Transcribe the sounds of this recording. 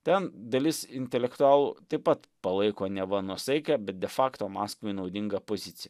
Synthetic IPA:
t̪ʲɛnd̪ɐlʲɪsɪnʲt̪ʲɛlʲɛkt̪ʊɑːlˠuːt̪ɐɪpɐt̪ | pɐlˠɐɪkoːnʲɛʋɐnuɔsɐɪkʲɛbʲɛt̪̚d̪ʲɛfɑːkt̪oːmɑːskʋɐɪnɐʊd̪ʲɪŋɡɐpoːzʲɪt̪sʲɪjɛ

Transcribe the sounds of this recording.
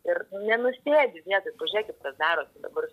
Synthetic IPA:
ɪrnʊnʲɛnʊsʲeːbʲɪʋʲiɛt̪oːpɐʒʲiɛkʲɪt̪kɐsd̪ɑːɾoːt̪ʲɪd̪ɐ̰bɐr

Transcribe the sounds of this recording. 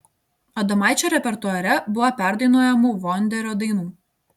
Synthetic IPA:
ɐd̪ɐmɑˑɪt͡ʃʲoɾʲɛpʲɛɾt̪uɔɾʲɛbʊʋɐpʲæˑɾd̪ɐɪnoːjɛmuʋɔnʲd̪ʲɛɾʲɔːd̪ɐɪnuː

